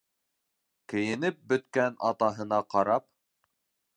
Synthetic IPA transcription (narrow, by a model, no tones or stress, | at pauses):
kɘ̆jɘ̆nɘp̚bɵ̆t̪kænɑ̰t̪ɑɦɤ̆nɑqɑɾɑp̚